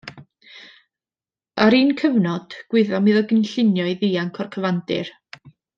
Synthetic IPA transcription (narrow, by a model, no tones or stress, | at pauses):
aɾiːnkʰəvnɔd̥ɡ̥wɪðɔmiðɔɡənɬɪnjɔjðiːaŋkʰɔrkʰəvandɪ̰r